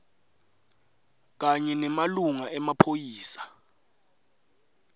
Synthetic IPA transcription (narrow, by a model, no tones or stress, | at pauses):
k̬aɲɛnɛmaluŋaʔɛmapʰojiːsḁ